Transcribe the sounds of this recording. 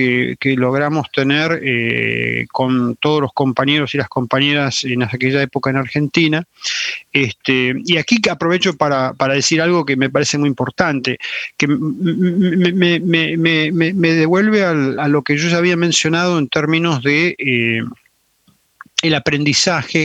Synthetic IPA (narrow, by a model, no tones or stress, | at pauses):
ekelo̞ɣ̞ɾamo̞st̪e̞neɾḛ | ko̞nt̪oð̞ozlo̞sko̞mpaɲeɾo̞silasko̞mpaɲeɾasenaðakeʒaepo̞kaenaɾxe̞nt̪ina | est̪eiakiapɾo̞βet͡ʃo̞paɾapaɾaðesiɾalɣo̞keme̞paɾesemujimpo̞ɾt̪ant̪eke | memememememeðeβwe̞lβealalo̞keʒo̞ʒaːβ̞iamẽnsjo̞nað̞o̞ent̪eɾmĩno̞zðee | elapɾe̞nd̪isaxe